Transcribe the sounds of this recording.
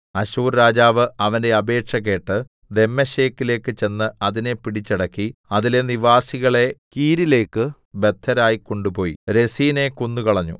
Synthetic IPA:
ɐɕuːɾɾaːd͡ʑaːʋɨʔɐʋɐnde̞ɐbe̞ːʈʂɐk̬e̞ːʈːɨ | d̪e̞mːɐɕeːkːile̞ːkːɨt͡ɕe̞nːɨɐðine̞piɽit͡ɕːɐɽɐkːiɐðile̞niʋaːsiɣɐɭe̞kiːɾile̞ːkːɨ | be̞t̪ʰːɐɾaːjikːo̞ɳɖupo̞ːjḭɾe̞siːne̞konːukɐɭɐɲːṵ

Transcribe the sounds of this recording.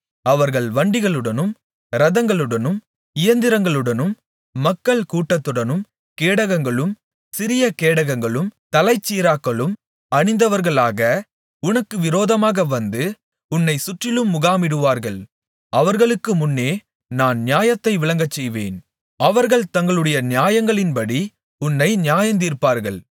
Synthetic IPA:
ɐʋɐɾɣɐɭʋɐɳɖɪɣɐɭɯɽɐnɯm | ɾɐðɐŋɡɐɭɯɽɐnɯm | ɪjɐnd̪ɪɾɐŋɡɐɭɯɽɐnɯmː | ɐkːɐɭkuːʈːɐt̪ːɯɽɐnɯm | keːɽɐɣɐŋɡɐɭɯm | sɪɾɪjɐkeːɽɐɣɐŋɡɐɭɯmt̪ɐlɐɪt͡ʃːiːɾaːkːɐɭɯm | ɐɳɪnd̪ɐʋɐɾɣɐɭaːɣɐ | ʊnɐkːɯʋɪɾoːðɐmaːɣɐʋɐnd̪ɯ | ʊnːɐɪsʊʈrɪlɯmːʊɣaːmɪɽɯʋaːɾɣɐɭ | ɐʋɐɾɣɐɭɯkːɯmʊnːeː | naːnnɪjaːjɐt̪ːɐɪʋɪɭɐŋɡɐt͡ʃːɛjʋḛːn | ɐʋɐɾɣɐɭt̪ɐŋɡɐɭɯɽɐjɐnɪjaːjɐŋɡɐɭɪnpɐɽi | ʊnːɐɪnɪjaːjɐnd̪iːɾpːaːɾɣɐɭ

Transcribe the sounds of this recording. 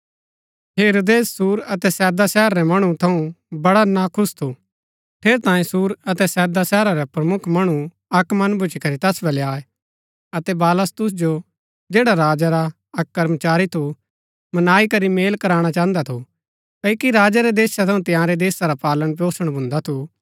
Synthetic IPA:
ɦeːɾoːd̪eːsːuːɾɐt̪ɛsɛːd̪asɛːəɾːɛmɐɽ̃ut̪ʰɐũ | bɐɽanakʰʊst̪ʰu | pʰeːɾt̪ãːĩsuːɾɐt̪ɛsɛːd̪asɛːɾaɾɛpɾɐmʊkʰmɐɽ̃u | ɐkmɐnbʱʊt͡ʃikɐɾit̪ɐsbɐleaːe | ɐt̪ɛbaːləst̪ʊs̬d͡ʒo | d͡ʒeːɽaɾaːd͡ʒaɾa | ɐkːɐɾmt͡ʃaːɾit̪ʰu | mɐnaːikɐɾimeːlkɐɾaːɽ̃at͡ʃãːnd̪at̪ʰu | kɐikiɾaːd͡ʒaɾɛd̪eːsat̪ʰɐ̃ũt̪ɪjãːɾɛd̪eːsaɾapaːlənpoːsəɽ̃bʱʊ̃nd̪at̪ʰu

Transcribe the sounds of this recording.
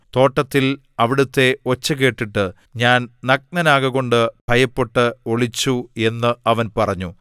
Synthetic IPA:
t̪o̞ːʈːɐt̪ːil | ɐʋiɽut̪ːe̞o̞t͡ɕːɐke̞ːʈːiʈːɨ | ɲaːnnɐk̚nɐnaːɣɐɣo̞ɳɖɨb̥ʱɐjɐpːeʈːɨoɭit͡ɕːue̞nːɨɐʋɐnpɐrɐɲːu

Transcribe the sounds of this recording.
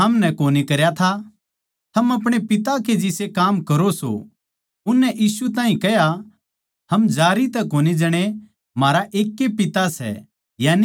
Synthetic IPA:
ɐmnɛkoːnikɐɾjat̪ʰa | t̪ʰɐmɐp̬ɽ̃epɪt̪aked͡ʒɪsekaːmkɐɾoso̰ | ʊnːɛʔiːsut̪̬aːɦĩkɛɦja | hɐmd͡ʒaːɾit̪ɛkoːnid͡ʒɐɽ̃e | maːɾaʔeːkːepɪt̪asɛ̰ | jaːni

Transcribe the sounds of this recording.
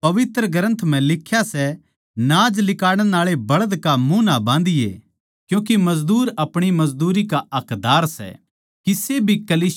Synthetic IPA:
pɐʋɪt̪ɾəɡɐɾə̃nt̪ʰm̤ɛ̃lɪkʰːjasɛ | nãːd͡ʒlɪkaːɽ̃ɛ̃naːɭebɐɭəd̪kamũːnabãːn̆d̪ɪjḛ | kjũːk̬emɐzd̪uːɾɐpɽ̃imɐzd̪uːɾikaɐkd̪aːɾsɛ̰ | kisebʱikɐliː

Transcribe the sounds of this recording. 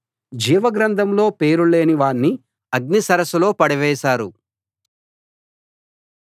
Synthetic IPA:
d͡ʒiːʋɐɡɾɐnd̪ʱɐmlo̞ːpe̞ːɾule̞ːniʋaːnːi | ɐɡ̚nisɐɾɐsulo̞ːpɐɽɐʋɛːʃaːɾu

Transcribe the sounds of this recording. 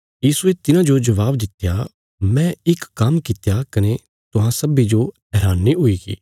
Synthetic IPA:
jiːsuet̪ɪnãd͡ʒod͡ʒɐʋaːbd̪ɪt̪ja | mɛ̃ɪkːɐmkɪt̪jakɐne | t̪ʊɦãsɐbid͡ʒo | ɛːɾaːnːiɦʊiːɡḭː

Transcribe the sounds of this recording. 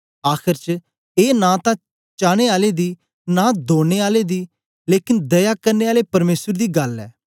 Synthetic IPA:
aːkʰɪɾt͡ʃ | eːnãːt̪ãː | t͡ʃaːɽ̃eːaːleːd̪iː | naːd̪oːɽ̃eːaːleːd̪iː | leːkɪnd̪əjaːkəɾneːaːleːpəɾmeːsəɾd̪iːɡɐlɛ̰ː

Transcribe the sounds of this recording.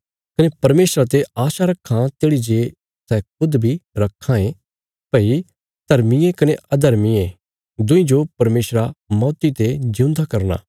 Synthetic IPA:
kɐnepɐɾmeːsɾat̪eaːʃaɾɐkʰːãt̪eːɽid͡ʒeː | sɛk̚ʊd̪bʱiɾɐkʰːãẽ | pɐi | d̪̥ʱɐɾmijẽkɐneʔɐd̪ʱɐɾmiẽ | d̪ʊ̃ĩd͡ʒopɐɾmeːsɾamɔːt̪it̪ed͡ʒɪ̃ũnd̪akɐɾna̰ː

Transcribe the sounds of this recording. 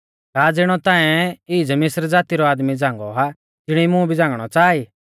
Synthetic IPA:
kaːd͡zɪɽ̃ɔt̪ãːɛɪid͡zɛmɪsɾd͡zaːt̪iɾɔaːd̪mid͡zãːŋɡɔɦa | d͡ʒɪɽ̃imũbʱid͡zãːŋɡɽ̃ɔt͡ʃaːiː

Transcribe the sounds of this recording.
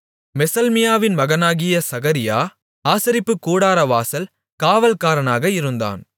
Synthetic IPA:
mɛsɐlmɪjaːʋɪnmɐɣɐnaːɣɪjɐsɐɣɐɾɪjaː | aːsɐɾɪpːɯkːuːɽaːɾɐʋaːsɐl | kaːʋɐlkaːɾɐnaːɣɐɪɾɯnd̪a̰ːn

